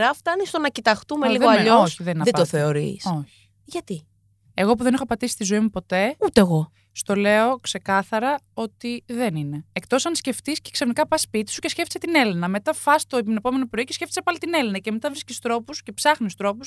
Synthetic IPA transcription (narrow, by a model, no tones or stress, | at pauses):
ɾɐft̪ɐnist̪o̞nɐcit̪ɐxt̪umeliɣoɐʎooosçiðeninɐðet̪oθeoɾḭsoç̥ | ʝɐt̪i | eɣo̞p̬uðenixopɐt̪isi̥st̪izoimupo̞t̪e̞ut̪eeɣo̞ | st̪o̞le̞o̞kse̞kɐθɐɾɐo̞t̪iðe̞nine̞ekt̪o̞sɐnsce̞ft̪isceksefnikɐpɐspit̪i̥suce̞sce̞ft̪set̪ine̞linɐme̞t̪ɐfɐst̪o̞epinepo̞me̞no̞pɾo̞ice̞sce̞ft̪i̥sepɐlit̪ine̞linɐce̞me̞t̪ɐvɾiscist̪ɾo̞puscepsɐxnist̪ɾo̞pus